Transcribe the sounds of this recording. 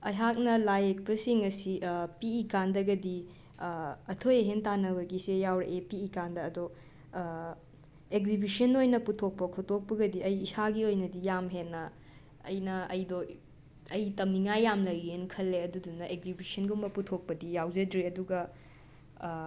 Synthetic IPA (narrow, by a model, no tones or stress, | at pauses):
ɐ̰jɦak̚nɐlajek̚pɐsiŋɐsiʔpiːkandɐɡɐdi | ɐtʰojɐɦentanɐβɐɡisejawɾḛʔepiːkandɐːdo | ekzibisɐnojnɐputʰːok̚pɐkʰotʰok̚pɐɡɐdiɐjːsaɡiojnɐdijamɦenːɐ | ɐjnɐɐjdo | ɐjtɐmniŋajːamlɐjɾiɦenkʰɐlːeɐdudunːɐʔek̚zibisɐnɡumbɐputʰok̚pɐdijawzɐdɾeɐduɡɐ